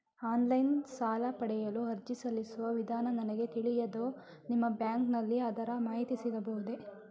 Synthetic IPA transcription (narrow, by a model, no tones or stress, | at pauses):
aːnlɐjnsaːlɐpɐɽɛjɐluɦɐɾd͡ʒisɐlːisuʋɐʋid̪ʱaːnɐnɐnɐɡe̞t̪iɭijɐd̪oː | nimːɐbjaːŋknɐlːiɐd̪ɐɾɐmaːɦit̪isid̪ɐbɐɦud̪e